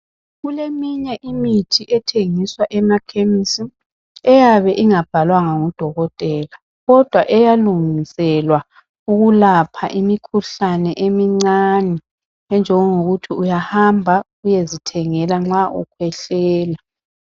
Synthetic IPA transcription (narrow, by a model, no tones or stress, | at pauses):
ɣulemiɲɛʔimitʰiʔɛtʰeŋiswaʔɛmakʰemisi | ɛjaβɛʔiŋab̥ʱalwaŋaŋud̥ʱɔɣɔtʼɛla | ɣɔd̥ʱwaʔɛjaluŋisɛlwa | uɣulapʰaʔimikʰuɬanɛʔemiŋ͡ǀanɛ | ɛnd͡ʒʱɛŋɔŋoɣutʰiujahambʱa | ujezitʰɛŋɛlaŋ͡ǁaʔukʰwɛɬɛːla